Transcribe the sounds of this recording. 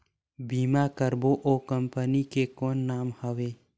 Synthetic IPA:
biːmakəɾboʔoːkəmpənikekoːnːaːmhəʋeː

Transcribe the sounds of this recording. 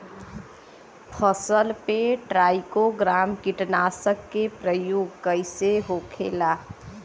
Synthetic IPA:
pʰəsəlpeʈɾaɪkoɡɾamkiʈnasəkːepɾəjoɡkəjseɦokʰḛla

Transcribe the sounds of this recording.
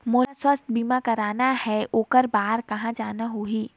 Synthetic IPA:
moːswəst̪̚ʰbiːmãkɐɾaːnahɛoːkəɾbaːɾkɐɦãd͡ʒaːnaɦoːɦiː

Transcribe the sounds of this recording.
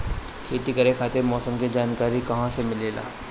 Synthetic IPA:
kʰeːt̪ikɐɾekʰaːt̪emɔːsəmkid͡ʒaːnkaːɾikɐɦãsemɪleːla̰ː

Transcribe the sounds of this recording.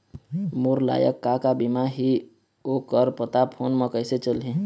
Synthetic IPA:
muɾla̰ːjə̰kːakabimaɦi | okəɾpət̪apʰonməkəɪset͡ʃəlɦẽ

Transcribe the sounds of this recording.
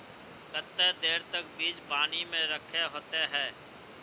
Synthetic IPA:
kət̪ːed̪eːɾt̪ək̚biːd͡ʒpaːnimẽɾəkʰeɦoːt̪eɦɛ̃ː

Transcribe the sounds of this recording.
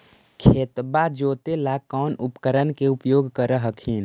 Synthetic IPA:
kʰeːt̪bad͡ʒoːt̪elakɔːnupkəɾənkeupjoːɡkəɾəɦəkʰiːn

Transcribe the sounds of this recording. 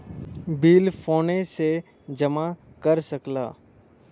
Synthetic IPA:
biːlfoːnese | d͡ʒɐma | kəɾsəkla̰ː

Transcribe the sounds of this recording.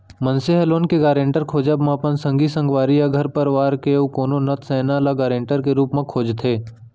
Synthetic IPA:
mənseɦɛloːnkeɡaːɾẽːɳʈəɾkʰoːd͡ʒəbmẽpənsə̃ŋɡisə̃ŋɡʋaːɾijaɡʱɐɾpəɾʋaːɾkeukoːnonɐt̪sɛːnalaɡaːɾẽːɳʈəɾkeɾuːpmẽkʰoːd͡ʒt̪ʰeː

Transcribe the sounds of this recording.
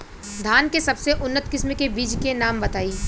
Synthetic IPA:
d̪ʱaːnkesɐbseʔʊnːət̪kɪsmekebiːd͡ʒkenaːmbɐt̪aːiː

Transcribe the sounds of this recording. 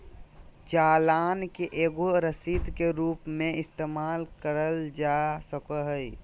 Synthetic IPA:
d͡ʒaːlaːnkeʔeːɡoɾəsid̪ʱkeɾuːpmẽɪst̪eːmaːlkəɾəld͡ʒasəkəɦəi

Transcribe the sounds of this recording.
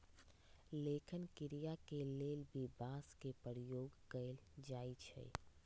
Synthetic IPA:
lekʰinkiɾijakelelbʱibaskepəɾijoɡkəɪld͡ʒajt͡ʃʰɛ̰

